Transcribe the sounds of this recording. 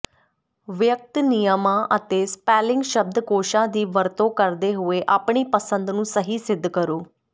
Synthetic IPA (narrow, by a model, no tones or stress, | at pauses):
ʋjək̚t̪nɪjəmãːʔət̪eːspɛːlɪ̃ŋɡʃəb̚d̪koːʃãːd̪iːʋəɾt̪õːkəɾd̪eːɦʊeːʔaːpɳiːpəsə̃nd̪nũːsəɦiːsɪd̪ːkəɾoː